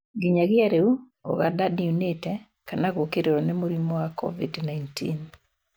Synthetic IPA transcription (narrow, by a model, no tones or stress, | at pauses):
ɡɪɲaɡɪaɾeu | ɔ̰ɡadadiunetɛ | kanakokeɾeɾɔnɛmoɾimɔwakʰɔ̰vidnajntʰḭn